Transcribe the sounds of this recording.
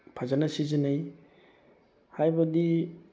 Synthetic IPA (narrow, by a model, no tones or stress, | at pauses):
pʰazanɐsizinaj | hajbɐdi